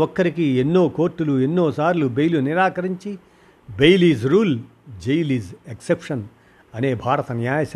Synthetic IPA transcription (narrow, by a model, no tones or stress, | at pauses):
okːɐɾikienːo̞ːko̞ːɾʈːuluenːoːsaːɾlube̞jluniɾaːkɐɾiɲt͡ʃi | bejliːzɾuːl | d͡ʒejliːzeksepʂɐn | ɐne̞ːbʱaːɾɐt̪ɐnjaːjɐs